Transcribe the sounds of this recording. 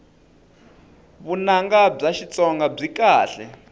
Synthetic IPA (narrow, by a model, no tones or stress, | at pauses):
βunaŋɡab͡ʐaʃit͡sʼɔŋɡab͡ʐikaːɬɛ̰